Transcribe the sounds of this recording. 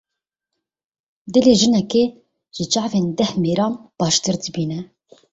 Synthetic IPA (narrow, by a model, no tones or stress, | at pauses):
d̪ɨleːʒɨnɛkeː | ʒ̥ɪt͡ʃɑʕveːnd̪ɛhmeːɾɑːnb̥ɑːʃt̪ɨɾd̪ɨbiːnɛ